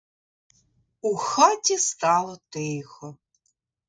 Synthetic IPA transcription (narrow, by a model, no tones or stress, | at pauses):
uxɑtʲist̪ɑlˠɔt̪ɪjxɔ